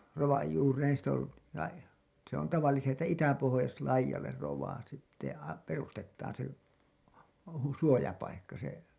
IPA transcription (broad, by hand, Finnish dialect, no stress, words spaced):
roʋɑj juːreːn sit ol lɑi se on tɑʋɑlːisesti tæ itæpohojɑslɑijɑlˑer roʋˑɑː sitːe ɑ perustetːɑːn se hu suojɑpɑikːɑ se